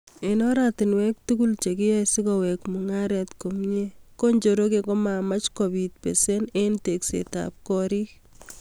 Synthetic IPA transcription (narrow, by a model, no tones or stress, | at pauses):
enɔɾatɪnwɛk̚tukult͡ʃekijɛsɪkɔwɛkmuŋaɾɛtkomɲekoɲd͡ʒoɾok̬ekomamat͡ʃkoβit̚pḛsenenteksḛta̰p̚kɔɾi